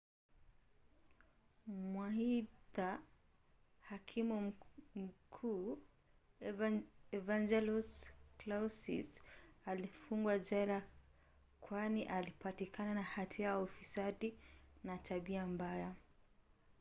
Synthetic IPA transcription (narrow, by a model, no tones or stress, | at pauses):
mwahita | hakʰimumm̩kʰuː | ɛvand͡ʒɛlusklausḭsalifuŋɡwad͡ʒɛla | kʰwaniʔalipatikʰananahatʰiajaufisaɗinatʰaɓiambaja